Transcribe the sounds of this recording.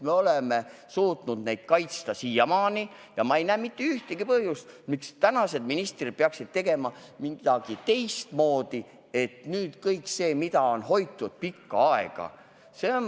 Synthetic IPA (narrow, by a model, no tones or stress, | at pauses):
me̞o̞leme̞ | suːt̪nud̪̥nejd̪̥̚kɑjt̪st̪ɑsijɑmɑːni | jɑmɑe̞jnæːmit̪ːe̞yht̪eɡ̥ipɤhjust̪mikst̪ænɑse̞d̪̚minist̪rid̥̪̚peɑksid̪̥̚t̪e̞ɡ̥e̞mɑ | mid̪̥ɑɡ̥it̪e̞jst̪mo̞ːd̪̥i | e̞t̪nyːd̪̥kɤjkˑse̞ːmid̪̥ɑo̞nho̞jt̪ːˑud̪̥̚pikːɑɑe̞̰ɡ̥ɑ̰ | seon